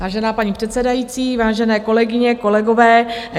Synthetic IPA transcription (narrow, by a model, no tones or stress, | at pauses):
vaːʒɛnaːpaɲiːpr̝̥ɛt̪sɛdajiːt͡siːvaːʒɛnɛːko̞lɛɡɪɲɛko̞lɛɡovɛː